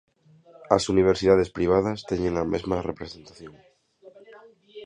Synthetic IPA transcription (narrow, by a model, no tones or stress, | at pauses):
asuniβ̞eɾsiðað̞espɾiβ̞að̞ast̪eɲẽŋamezmarepɾesent̪aθjõŋ